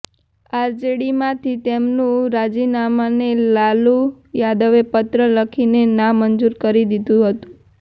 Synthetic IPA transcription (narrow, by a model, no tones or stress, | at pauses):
aɾd͡ʒeɽimãt̪ʰit̪emnũɾad͡ʒinamanelalu | jad̪əʋepət̪ɾələkʰinenãmənd͡ʒuɾkəɾid̪id̪ũɦət̪ũ̥